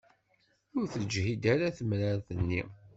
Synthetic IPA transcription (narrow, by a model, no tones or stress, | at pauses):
ʊɾθəld͡ʒhid̪æɾaθəmɾəɾθənːi